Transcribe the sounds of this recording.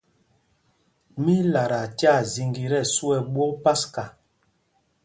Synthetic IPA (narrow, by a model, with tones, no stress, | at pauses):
mi˦la˨ɾa˨ta˦˨zi˨ŋɡi˨ɾɛ˦˨su˦ɛ˨ɓwɔ˦pa˦ska˨